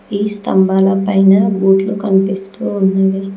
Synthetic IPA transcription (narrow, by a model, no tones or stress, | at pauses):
iːst̪ɐ̰mbaːlɐpɐjnɐbuːʈlukɐnipist̪uːunːɐd̪i